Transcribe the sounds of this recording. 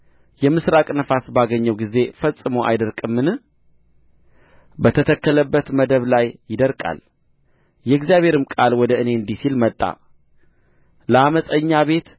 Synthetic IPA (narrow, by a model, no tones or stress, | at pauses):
jɛmɨsɾakʼnəfasbaɡəɲːəwɡize̞fəsʼːɨmowʔa̰jd̪əɾkʼɨmːɨnɨ | bət̪ʰət̪ʰəkːələbːət̪məd̪əβlajːɪd̪əɾkʼa̰l | jɛɡzijaβʱhe̞ɾɨmkʼalwɔd̪əɨne̞ɨnd̪isilmət̪ʼːa̰ | ləaməsʼəɲːaβe̞t̪